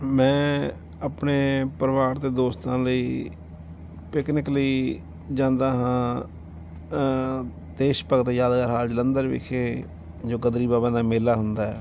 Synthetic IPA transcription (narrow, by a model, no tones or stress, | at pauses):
mɛ̃ː | əpneːpəɾʋaːɾt̪eːd̪oːst̪ãːləiː | pɪknɪkliː | d͡ʒãːnd̪aːɦãː | d̪eːʃpəkt̪ejaːd̪ɡaɾɦaːd͡ʒlənd̪əɾʋɪ̰kʰeː | d͡ʒoːɡəd̪ɾiːbaːbãːnaːmeːlaːɦʊnd̪aːɛː